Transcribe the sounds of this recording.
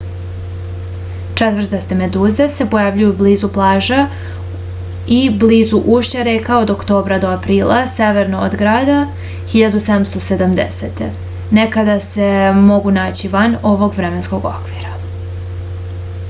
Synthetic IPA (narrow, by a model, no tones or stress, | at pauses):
t͡ʂet̪vr̩t̪est̪eme̞d̪uːzese̞po̞javʎujubliːzuplˠaːʒa | ibliːzuʔuʃt͡ɕeɾekaod̪okt̪o̞ːbɾad̪oapɾiːlˠa̰seʋeɾnoo̰d̪ɡɾaːd̪a | xiʎad̪used̪amst̪o̞se̞d̪amd̪ḛsḛt̪ḛ | nekad̪ase̞mo̞ɡunaːt͡ɕiʋano̞ʋo̞ɡʋɾeme̞nsko̞ɡo̰kʋiːɾa